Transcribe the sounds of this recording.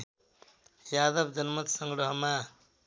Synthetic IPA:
jad̪ʌbd͡zʌnmʌt̪sʌŋɡɾʌɦʌma

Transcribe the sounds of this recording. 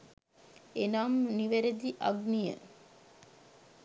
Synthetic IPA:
enaːmniʋeɾed̪iʔɐ̰ɡnijə̰

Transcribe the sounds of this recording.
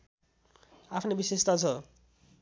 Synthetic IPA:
apʰnebisest̪at͡sʰʌ

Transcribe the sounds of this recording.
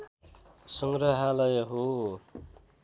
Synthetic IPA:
suŋɾʌɦalʌjɦo

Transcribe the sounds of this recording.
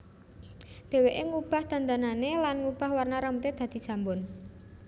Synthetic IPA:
d̪̥e̤weʔeŋub̥a̤hd̪̥a̤nd̪ananelanŋub̥a̤hwarnaɾamut̪ed̪̥ä̤d̪̥i̤̥ʒ̥ä̤mbʊn

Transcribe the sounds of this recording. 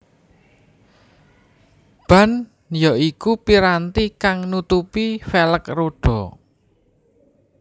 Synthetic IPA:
b̥a̤n | jɔikupiɾant̪ikaŋnut̪upifeləkroɖ̥ɔ̤

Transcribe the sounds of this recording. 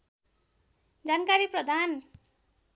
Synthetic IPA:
d͡zankaɾiprʌd̪ʱan

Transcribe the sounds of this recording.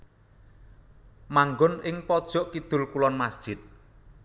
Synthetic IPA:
maŋɡʊnɪŋpɔd̥ʒ̥ɔ̤ʔkid̪̥ʊ̤lkulɔnmasd̥ʒ̥ɪt̪̚

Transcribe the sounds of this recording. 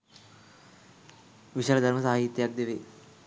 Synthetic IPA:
ʋiʃalɐd̪ʱɐɾmɐsaːɦit̪jaːk̚d̪jɐʋi

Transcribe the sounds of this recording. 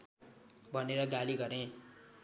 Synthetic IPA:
bʱʌneɾʌɡaliɡʌɾẽ

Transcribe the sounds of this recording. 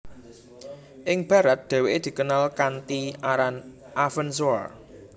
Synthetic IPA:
ʔɪŋb̥ä̤ɾat̪̚d̪̥ɛ̤weʔed̪̥i̤kənalkant̪iʔaɾan | ʔafəns̬oa̰r

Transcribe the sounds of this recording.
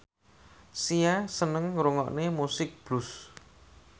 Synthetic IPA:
siasənəŋɾuŋɔ̰ʔnemusɪk̚b̥lʊs

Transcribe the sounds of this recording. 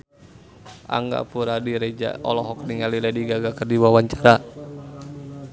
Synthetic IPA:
ʔa̰ŋɡa̰puɾadiɾɛd͡ʒa̰ʔɔ̰lɔɦɔk̚niŋalilɛdiɡaɡakərdiwawaɲt͡ʃaɾa

